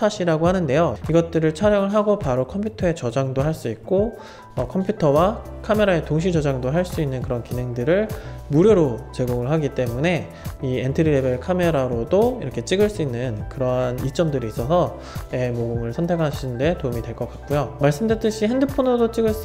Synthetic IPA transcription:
aɕʰiɾaɡohanɯnde̞joiɡʌt̚t͈ɯɾɯɭt͡ɕʰaɾjʌŋɯɭɦaɡopaɾokʰʌmpʰjutʰʌe̞t͡ɕʌd͡ʑaŋdoɦaɭs͈uik̚k͈o | ʌkʰʌmpʰjutʰʌwa | kʰame̞ɾae̞toŋɕ̬ʰid͡ʑʌd͡ʑaŋdoɦaɭs͈uinːɯnkɯɾʌnkine̞ŋdɯɾɯɭmuɾjoɾot͡ɕe̞ɡoŋɯɭɦaɡit͈e̞mune̞ | ientʰɯɾiɾe̞be̞ɭkʰame̞ɾaɾodoḭɾʌkʰe̞t͡ɕ͈iɡɯɭs͈uinːɯnkɯɾʌnit͡ɕ͈ʌmdɯɾiːs͈ʌsʰʌ | emoɡɯmɯɭsʰʌntʰe̞kʰaɕʰinnde̞toumidwe̞ɭk͈ʌk͈ak̚k͈ujomaɭs͈ɯmdɯt͈ɯɕʰiɦendɯpʰonodot͡ɕ͈iɡɯɭs

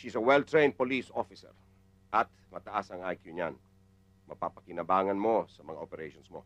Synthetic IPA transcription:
ʃisɐwɛlt̪ɹẽjnd̪̚polisofɪsɛ̰ɹ | ʔɐt̪̚mɐt̪ɐʔasɐŋʔajkjuɲan | mɐpapɐkɪnɐbaːŋɐnmo̞sɐmɐŋaʔopɛɾɛjʃonsmo̞̰

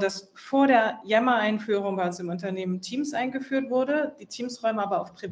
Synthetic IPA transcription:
d̥as | foːɐɾeːɐjɛmɐaɪnfyːʁʊŋvaːlsɪmʊntɐneːməntʰiːmsʔaɪnɡəfyːɐtv̥ʊɐɾəd̥iːtʰiːmsʁɔʏməʔaːbɐaʊfpʁ̥i

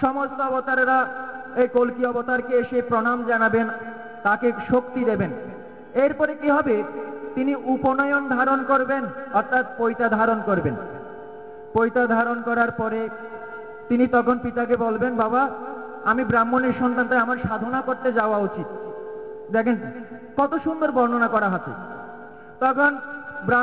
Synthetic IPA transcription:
ʃɔmost̪oɔbot̪aɾɾaejkolkiɔbot̪aɾkeeʃepɾonamd͡ʑanaben | t̪akeʃokt̪id̪eben | eɾpɔɾekibʱabet̪iniʔuponɔeond̪ʱaɾonkoɾbenɔɾt̪ʰat̪̚pojt̪ad̪ʱaɾonkoɾben | pojt̪ad̪ʱaɾonkɔɾaɾpɔɾe | t̪init̪ɔkʰonpit̪ak̬ebolbenbaba | amibɾamːoneɾʃɔnt̪ant̪eamaɾʃad̪ʱonakoɾt̪ed͡ʑaoaut͡ɕit̪̚ | d̪ɛkʰen | kɔt̪oʃund̪oɾbʱɔɾnonakɔɾaɦot͡ɕʰḛ | t̪ɔkʰonbɾa

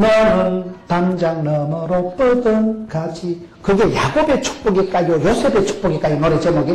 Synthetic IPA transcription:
mʌnɯɭt̪and͡ʑaŋnʌmʌɾop͈ɯd̪ɯnkad͡ʑi | kɯɡe̞ja̰ɡobe̞t͡ɕʰu̥k̚p͈oɡik͈ajojosʰebet͡ɕʰu̥k̚p͈oɡik͈ainʌɾet͡ɕemoɡi

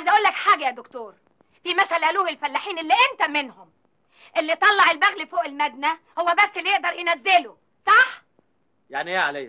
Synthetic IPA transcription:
ʕajzæʔæʔuːlːækħaːɡæjæd̪okt̪oːɾ | fimæsælʔæluːhelfælːaħiːnelːiʔent̪æmɪnhʊm | ʔelːit̪ˤɑlːɑʕelbæɣlifoːʔelmæd̪̚næ | howːæbæsːelːijeʔd̪ɑɾˤjenæzːelo | sˤɑħ | jaʕnijaʕaleː

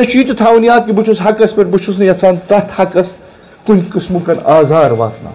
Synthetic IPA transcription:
ɐt͡ʃʰiːt̪ut̪ʰaːunijaːt̪̚kibut͡ʃʰusɦɐkɐspɐɾbut͡ʃʰusnɐjɐt͡sʰaːnt̪ɐt̪ʰhɐkɐs | kunʲkɨsmukɐnaːzaːɾʋa̰ːt̪na̰ː

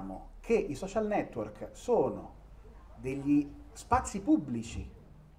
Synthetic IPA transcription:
mo̰kʰeʔisɔt͡ʃalnɛt̪ːworksoːno̰ | d̪eʎːispat̪sːipubːlit͡ʃḭ

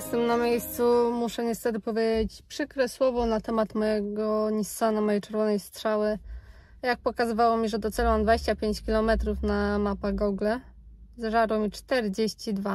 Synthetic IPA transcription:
jɛst̪ɛmnamʲjejst̪sumuʂɛɲɛst̪ɛt̪ɘpɔvʲjed͡ʑet͡ɕpʂɘkɾɛswɔvɔnat̪ɛmat̪mɔjɛɡɔɲist̪sanamɔjejt͡ʂɛɾvɔnɛjst̪ʂawɘ | jak̚pɔkazɘvawɔmʲiʐɛd̪ɔt̪sɛlwamd̪vad͡ʑeɕt͡ɕapʲjeɲt͡ɕkʲilɔmɛt̪ɾufnamapaɡɔɡlɛ | zʐaɾwɔmʲit͡ʂt̪ɛɾd͡ʑeɕt͡ɕid̪va

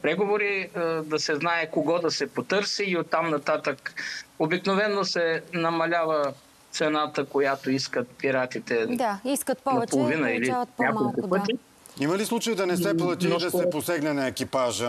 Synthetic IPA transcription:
pɾɛɡovoɾiəd̪ɐsɛznaɛkoɡɔd̪ɐsɛpot̪ɤɾsiːot̪ːamnɐt̪at̪əkobiknovɛnːosɛnɐmɐlʲavə | tt̪sɛnat̪əkojat̪oiskət̪̚piɾat̪it̪ɛd̪aiskət̪p̪ɐpolˠovinəilinakolˠkʊpɤt̪i | imɐlislˠut͡ʃɐjid̪ɐnɛsɛplˠɐt̪id̪ɐssɛposɛɡnɛnɐɛkipaʒə

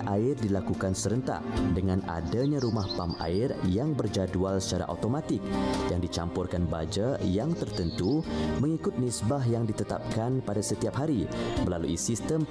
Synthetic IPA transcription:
aɪrdilakukansəɾənt̪a̰hdəŋãna̰daɲãɾumahpamʔa̰ɪrjaŋbərd͡ʒadualsə̥t͡ʃaɾa̰ʔa̰t̪omãt̪ɪk̚jaŋdit͡ʃampʊrkanbad͡ʒajaŋt̪ərt̪ənt̪uməŋikʊt̪̚nisbaɦjaŋdit̪ət̪a̰p̚kanpadasət̪iap̚ɦaɾiməlaluisist̪əm

